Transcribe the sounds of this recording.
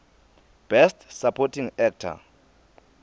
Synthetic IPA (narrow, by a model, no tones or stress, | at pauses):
b̥ɛstʰsapʰɔtʰiŋɛk̚tʰa̰